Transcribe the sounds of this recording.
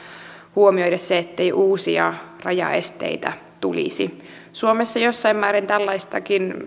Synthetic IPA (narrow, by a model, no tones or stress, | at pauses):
huomioidɑsseet̪ːeiʔuːsiɑ̰rɑjɑ̰ḛst̪ḛit̪æ̰ | t̪ulḭsi | suomesːɑjosːɑimːmæːɾent̪ælːɑist̪ɑkin